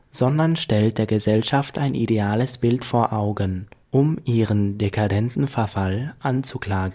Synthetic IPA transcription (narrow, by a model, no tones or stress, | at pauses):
z̥ɔndɐnʃtɛlt̚d̥eːɐɡəzɛlʃaftʰʔaɪnʔḭdeaːləsb̥ɪltfoːɐʔaʊɡənʔʊmʔiːʁəndekʰadɛntn̩fɛɐfalʔant͡sukl̥aːɡən̩